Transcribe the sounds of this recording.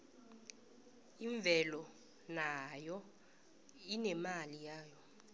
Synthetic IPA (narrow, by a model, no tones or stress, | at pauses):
iɱvʱɛlɔ | najɔ | inɛmalijaːjɔ